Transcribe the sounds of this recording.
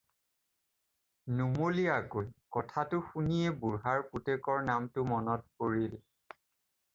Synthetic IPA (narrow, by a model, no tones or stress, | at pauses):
numolijakolkɔtʰatʊxunijebuɹɦaɹputekɔɹnamtʊmɔnɔt̚poɹil